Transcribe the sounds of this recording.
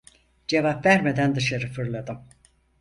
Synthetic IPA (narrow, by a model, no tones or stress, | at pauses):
d͡ʒevapvæɾmed̪ænd̪ɯʃaɾɯfɯɾlˠad̪ɯm